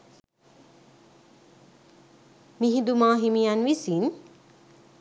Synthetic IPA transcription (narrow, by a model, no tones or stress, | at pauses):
miɦid̪umãːɦimijanʋisin